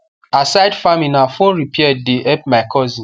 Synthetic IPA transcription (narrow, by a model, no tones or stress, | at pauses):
asaɪdfamĩnafõnɾipiɛddeʔɛp̚maɪkʰɔzĩ